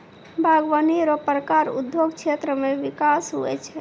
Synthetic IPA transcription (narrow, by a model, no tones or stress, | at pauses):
bʱaɡʋəniɾɔpɾəkaɾṵd̪joɡt͡ʃʰet̪ɾəmeʋikasɦṵɛ̰t͡ʃʰɛ